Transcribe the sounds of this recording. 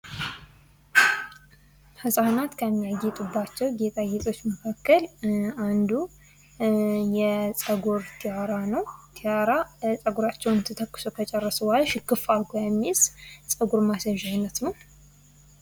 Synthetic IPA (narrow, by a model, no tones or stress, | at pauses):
hɨsʼanat̪kʰəmːijajɛt̪ʼubːat͡ʃːɛwɡet̪ʰʼajɛt̪ʼo̞t͡ʃːməkʰakːəland̪u | jɛsʼəɡuɾt̪ʰijaɾanəwt̪ʰijaɾasʼəɡuɾat͡ʃːɛwnɨnt̪ʰɨt̪ʰəkːɨ̥sukʰət͡ʃʼɛrːəsəwalʃɪkːɨfalkʰojɛmːissʼəɡuɾmasəʒanət̪nəw